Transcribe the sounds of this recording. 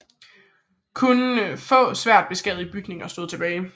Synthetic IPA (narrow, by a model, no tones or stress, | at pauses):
kʰunəfɔ̰̽ːsʋæɐ̰d̥b̥e̝sɡ̥ɛð̞̩ˠib̥yɡ̥ne̝ŋɒsd̥o̝ð̩̰ˠt͡sʰe̝b̥ɛːɪ